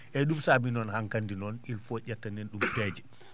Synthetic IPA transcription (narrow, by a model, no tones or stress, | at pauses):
ʔɛɗumsaːbinɔnhaŋkandinɔnilfɔɟatːanɛnɗumpɛːd͡ʒɛ